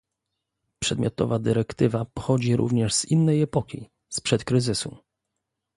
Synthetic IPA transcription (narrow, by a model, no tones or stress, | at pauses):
pʂɛd̪mʲjɔt̪ɔ̰vad̪ɘɾɛkt̪ɘvapɔxɔd͡ʑiɾʔṵvɲɛʐz̥inːɛjɛpɔkʲḭ | spʂɛt̪kɾɘzɘsu